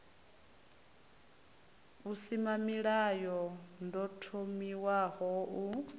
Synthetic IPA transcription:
usimamiɺajɔndɔtʰomiwahɔʔu

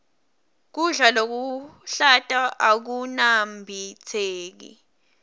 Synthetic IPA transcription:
k̬uɮalok̬uɬatʼaʔak̬unambʱit͡sʰeːk̬ḭ

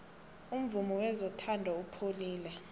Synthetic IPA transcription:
um̩vumɔwɛzɔtʰandʱaupʰoliːlɛ

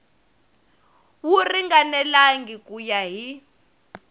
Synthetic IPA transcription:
wuriŋɡanɛlaŋɡikʼujaɦi

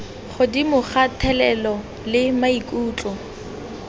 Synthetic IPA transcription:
χʊdimʊχatʰɛlɛlɔ | lɪmaikʼuːt͡ɬʼɔ

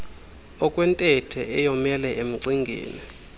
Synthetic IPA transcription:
ɔkʼwɛntʼɛtʰɛʔɛjɔmɛlɛʔem̩ǀiŋɡʱḛːni

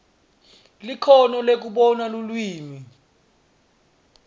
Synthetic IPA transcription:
likʰɔnɔlek̬uɓɔnalulwiːmi

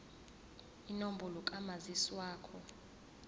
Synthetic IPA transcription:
inombʱɔlɔkʼamaziswaːkʰɔ

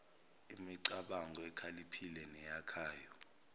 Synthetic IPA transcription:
imiǀaɓaŋɡɔɛkʰalipʰilɛnɛjakʰaːjɔ

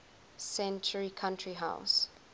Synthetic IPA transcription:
sɛ̃nt͡ʃəɹikʰãntɹiɦa̰ʊs

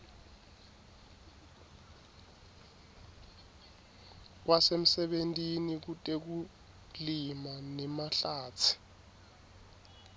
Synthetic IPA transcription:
k̬wʔasem̩sɛɓentʼinik̬utʼek̬u | limanɛmaɬaːt͡sʰi̥

